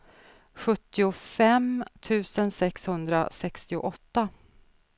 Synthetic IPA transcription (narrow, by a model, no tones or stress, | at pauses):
ɧɵt̪ːɪʊfɛmt̪ʰʉ̟ːsənsɛkshɵnd̪ɾa̰sɛkst̪ɪʊ̰ʔɔt̪ːa